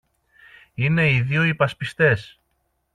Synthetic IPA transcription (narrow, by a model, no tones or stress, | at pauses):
ine̞iðioipɐspist̪e̞s